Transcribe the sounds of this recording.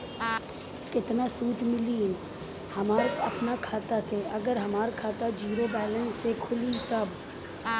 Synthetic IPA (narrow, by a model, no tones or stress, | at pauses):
kɪt̪nasuːt̪mɪliːn | hɐmaːɾɐpnakʰaːt̪aseɐɡəɾɦɐmaːɾkʰaːt̪ad͡ʒiːɾobɛːlənsekʰʊlit̪ɐb